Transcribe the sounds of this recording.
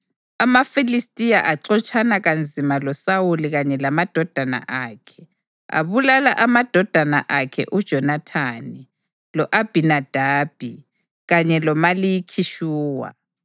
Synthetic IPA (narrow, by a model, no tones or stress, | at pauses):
amafilistʼijaʔaǀɔt͡ʃʰʼanaɣand͡zʱimalɔsawuliɣaɲɛlamad̥ʱɔd̥ʱana̰ʔaːkʰɛ̥ | a̰βulalaʔamad̥ʱɔd̥ʱana̰ʔakʰɛ̰ʔud̥ʒ̥ʱɔnatʰaːni | lɔʔab̥ʱinad̥ʱaːb̥ʱi | ɣaɲɛlɔmalijikʰiʃuːwa̰